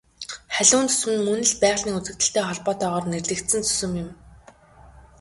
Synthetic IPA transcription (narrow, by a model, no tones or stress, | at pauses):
χæɮʲʊːnt͡s̪ɵ̥smɘ̆nmɵnɘ̆ɮpæːʁɮiːŋut͡sɘ̆k̚t̪ɘ̆ɬt̪eːχɔɮpɔːt̪œːʁɔːrnerɮɘ̆kt̪sɘ̆nt͡sʰɵ̥sɵ̆mjɪ̆m